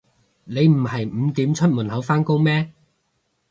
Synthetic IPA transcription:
ne˨˧jm̩˨˩hɐ˨jm̩˨˧t̪iː˨˥mt͡ʃʰɵ˥t̚muː˨˩nhɐ˨˥wfaː˥nko˥wmɛː˥

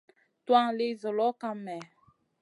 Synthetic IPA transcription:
twã˦ŋle˦zɔ˨lɔ˦ka˦mɛ˨

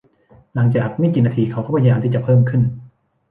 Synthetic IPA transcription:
la˩˦ŋt͡ɕaː˨˩k̚mi˥˩kiː˨˩naː˧t̪ʰiː˧kʰa˦˥wt̪ʰɔ˥˩pʰa˧jjaː˧t̪iː˥˩t͡ɕa˨˩pʰɤː˥˩mkʰɯ˥˩n

